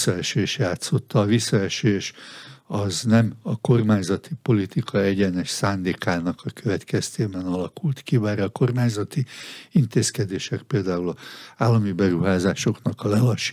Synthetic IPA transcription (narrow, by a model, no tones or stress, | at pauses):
sːɒɛʃeːʃjaːt̪so̞t̪ːɒːvisːɒɛʃeːʃɒznɛmɒko̞rmaːɲzɒt̪ipo̞lit̪ikʰɒɛɟɛnɛʃsaːnd̪eːkaːnɒkɒkøvɛt̪kɛst̪eːbɛnɒlɒkult̪kiʋaːɾɛːko̞rmaːɲzɒt̪iint̪eːskɛd̪eːʃɛkpeːld̪aːulɒaːlːɒmibɛɾuɦaːzaːʃo̞knɒkɒlɛlɒʃ